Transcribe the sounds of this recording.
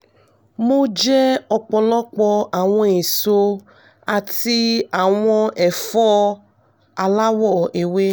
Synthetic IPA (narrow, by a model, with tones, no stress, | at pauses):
mo˦d͡ʒɛ˦ɔ˧k͡pɔ˧lɔ˦k͡pɔ˧a˨w̃ɔ̃˧e˨so˧ | a˨ti˧a˨w̃ɔ̃˧ɛ˨fɔ˦ | a˧la˦wɔ˦˨e˨we˦